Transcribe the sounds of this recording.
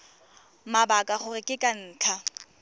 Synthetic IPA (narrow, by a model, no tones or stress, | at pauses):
mabakʼaχʊrɪkʼɪkʼan̩ːt͡ɬʰa